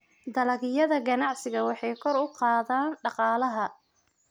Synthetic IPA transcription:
d̪ɐlɐɣɪjɐðɐɡɐnɑʕsɪɣɐwɑħɑjkʰɔɾʊqɑːðaːnɖɑqɑːlɐɦɐ

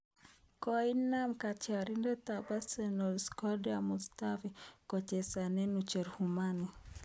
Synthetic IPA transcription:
kɔinːamkat͡ʃaɾindɛt̪abasɛnɔlskɔdɛamustafikɔt͡ʃɛsanɛnut͡ʃɛɾhumani

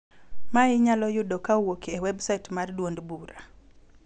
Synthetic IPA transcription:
maɪɲalɔjʊdokawokiewɛbsaɪtmardwondbuɾa

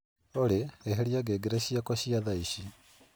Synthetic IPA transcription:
oɾeːɦeɾiaɡeɡeɾɛɕiakɔɕiaðaiɕi

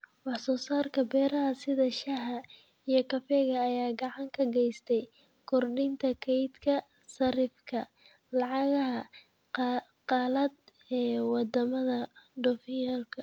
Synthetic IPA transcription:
wɑħsɔːsaːrkʰɐbɛːɾɐɦɐsɪðɐʃɐɦɐ | ijɞkʰɐfɛːɣɐːjaːɡɑʕɑŋkʰɐɡɛjst̪ʰɛj | kʰɔrɖɪnt̪ʰɐkʰɛjd̪kʰɐ | sɐɾɪfkʰɐ | lɑʕɑɣɐɦɐ | qɑːlɐd̪ | ɛːwɑd̪ɐmɐðɐɖɔfɪjaːlkʰɐ

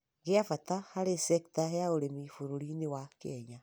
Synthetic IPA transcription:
ɣeafatahaɾesɛktaheaoɾemifoɾoɾinewakɛɲa

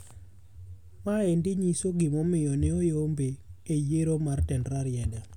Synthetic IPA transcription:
maendɪɲisoɡɪmɔmɪjɔneojombeːjeɾomartɛndɾaɾjɛda

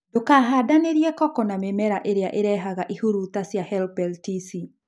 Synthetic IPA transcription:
dokaɦadaneɾjɛkɔkɔnamemɛɾaʔeɾeaʔeɾɛɦaɣaʔihoɾutasjahɛlpɛltisi

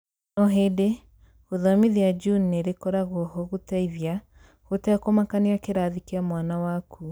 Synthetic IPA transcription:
nɔɦede | ɣoðɔmiðiad͡ʒunneɾekɔɾaɣɔɦɔɣotaiðja | ɣotɛkomakaneakeɾaːðikeamwanawakʰu

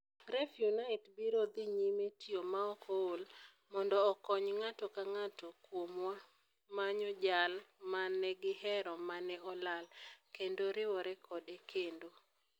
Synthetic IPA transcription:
ɾɛfjunaɪtbiɾod̪iɲimetiomaɔkʰɔol | mɔndɔːkɔɲŋatɔkaŋatɔkwomwa | maɲɔd͡ʒalmanɛɡɪhɛɾɔmanɛɔlalkendoɾɪwɔɾɛkʰɔdekʰendo

